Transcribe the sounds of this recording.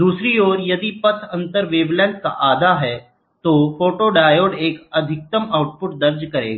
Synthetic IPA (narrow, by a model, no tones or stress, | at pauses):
d̪uːsɾioːɾjɐd̪ipɐt̪ʰɐ̃nt̪əɾʋeːblɛ̃ːɳʈka̰ʔaːd̪ʱaɦɛ | t̪oːfoːʈoɖaːjoːɖeːkɐd̪ʱɪk̚t̪əmaːʊʈ̚pʊʈd̪ɐɾd͡ʒkɐɾḛːɡaː